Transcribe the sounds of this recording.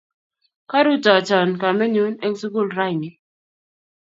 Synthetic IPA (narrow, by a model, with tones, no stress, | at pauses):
ka˦ɾu˦tɔ˨t͡ʃɔ˨nka˨mɛ˦ɲu˦nɛ˦ŋsu˦ɡu˦˨lɾa˦jni˦